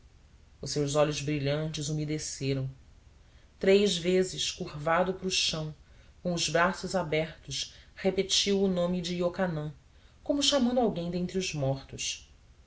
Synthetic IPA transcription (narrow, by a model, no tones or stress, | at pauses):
ʊsewzɔʎʊzbɾiʎɐ̃nt͡ʃɪzumid̪eseɾɐ̃w̃ | t̪ɾejzvezɪʃkuɾvad̪ʊpɾʊʃɐ̃w̃kõw̃ʊzbɾasʊzabɛχt̪ʊʃhepet͡ʃiwʊnõmɪd͡ʒiokanɐ̃ | kõmʊʃamɐ̃nd̪awɡẽj̃d̪ẽnt̪ɾiʊzmɔχt̪ʊʃ